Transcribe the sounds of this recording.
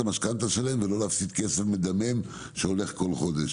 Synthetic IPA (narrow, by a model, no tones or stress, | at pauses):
amaʃkant̪aʃelaemvelo̞leafsit̪kesefmed̪amem | ʃeo̞le̞χko̞lχo̞d̪eʃ